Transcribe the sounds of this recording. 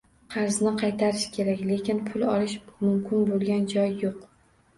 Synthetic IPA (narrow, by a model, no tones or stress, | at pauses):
qʰɑɾznɪqʰɑjt̪ʰaɾɪʃkʲʰe̞ɾakʲle̞kʲɪnpʰʊlˠɒlɪʃmʊmkʲʰɪnbolˠɡʲand͡ʒɒjːoq